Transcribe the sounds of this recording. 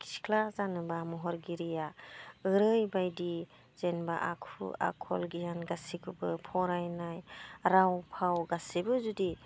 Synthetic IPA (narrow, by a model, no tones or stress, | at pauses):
kʰi̥skʰlazanɯbamɔɦɔɾɡiɾijaɯɾɯjbajdi | z̥enba̰ʔakʰṵa̰kʰɔlɡijanɡasikʰɯbɯpʰɔɾajnajɾawpʰawɡasibɯzudi